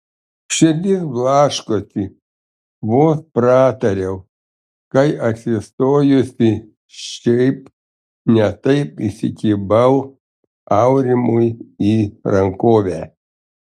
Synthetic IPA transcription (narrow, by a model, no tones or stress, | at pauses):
ʃʲɪɾʲd̪ʲɪsblˠɑːʃkosʲɪ | ʋoːspɾɑːt̪ɐɾʲɛʊ | kɐɪɐt̪ʲsʲɪst̪oːjʊsʲɪ | ʃʲɛɪp | nʲɛt̪ɐɪpisʲɪkʲiːbɐʊ | ɐʊɾʲɪmʊjiɾɐŋkoːʋʲæː